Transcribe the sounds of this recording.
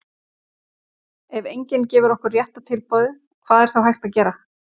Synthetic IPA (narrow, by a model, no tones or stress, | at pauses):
ɛvejɲcɪncɛːvʏɾɔhkʏrːjɛht̪at̪ʰɪlpɔwðɪ | kʰv̥aːðɛɾ̥θawɦajxt̪aðcɛːɾa